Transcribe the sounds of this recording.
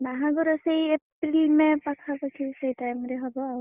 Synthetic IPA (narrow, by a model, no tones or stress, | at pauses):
naɦãɡɔɾɔsejeplimepakʰapakʰisejtajmɾeɦɔbɔa